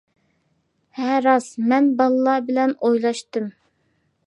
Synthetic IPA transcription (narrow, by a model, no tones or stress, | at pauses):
hɛɾɑsmɛnbɑlˠɨlˠɑbɪlɛnojlˠɑʃt̪ɨm